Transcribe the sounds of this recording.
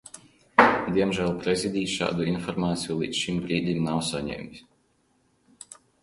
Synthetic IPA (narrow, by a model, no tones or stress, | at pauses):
d̪iɛmʒæːlˠpɾezʲid̪iːʃa̰ːd̪uinfɔɾmaːt̪sijulˠḭːd̪sʃimbɾiːd̪imnawsaɲɛ̰ːmʲis